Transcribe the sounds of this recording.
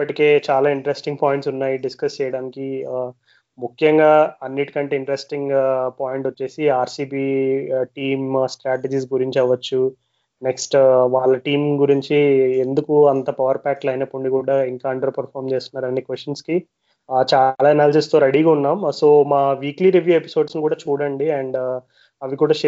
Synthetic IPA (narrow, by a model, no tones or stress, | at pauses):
ipːɐʈike̞ːt͡ʃaːlaːiɳʈɾesʈiŋɡpaːjiɳʈsunːaːjiɖiskɐst͡ʃɛjɐɽaːniki | mukʰjɐŋɡaːɐnːiʈi̥kɐɳʈeːiɳʈɐɾesʈiŋɡpaːjiɳʈot͡ʃːe̞ːsiaːɾsiːbiːʈiːmsʈɾaːʈed͡ʒiːsɡuɾiɲt͡ʃiɐʋːɐt͡ʃːu | neksʈʋaːɭːɐʈiːmɡuɾiɲt͡ʃie̞nd̪ukuɐnt̪ɐpɐʋɐɾpaːklɐjnepːuɳɖikuːɽaːiŋkaːɐɳɖɐɾɐpɐɾpʰaːɾmt͡ʃe̞ːst̪unːaːɾɐnːikʋesʈɐnski | t͡ʃaːlaːɛnaːlɐd͡ʒɐst̪oːɾeɽiːɡaːunːaːmso̞ːmaːʋiːkliɾiʋjuːe̞piso̞ːɖsnikuːɽaːt͡ʃuːɽɐɳɖiɛɳɖ | ɐʋikuːɽaː